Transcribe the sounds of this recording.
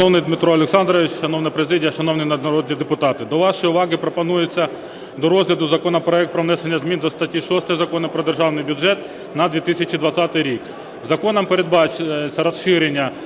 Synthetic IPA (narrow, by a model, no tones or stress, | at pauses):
nownɪjd̪mɪt̪ɾɔɐlʲˠeksɑnd̪ɾɔʋʲɪt͡ʃʃɐnownɐpɾezɪdʲijɐʃɐnownɪjnɐd̪nɐɾɔd̪ʲnʲid̪epʊt̪ɑt̪ɪd̪ɔʋɑʃɔjʊʋɑɣɪpɾɔpɐnujet͡sʲːɐ | d̪ɔɾɔzɦlʲɐd̪ʊzɐkɔnɐpɾɔɛkt̪̚pɾɔʋnɛsenʲːɐzmʲind̪ɔst̪ɐtʲiʃɔst̪ɐjɛzɐkɔnɐpɾɔd̪erʒɑwnɪjbʲʊʐɛt̪ | nɐd̪ʋʲit̪ɪsʲɐt͡ʃid̪ʋɐt͡sʲsʲɑt̪ɪjɾʲik | zɐkɔnɐmpeɾed̪̚bɑt͡ʃjet͡sʲːɐɾɐsʃɪɾenʲːɐ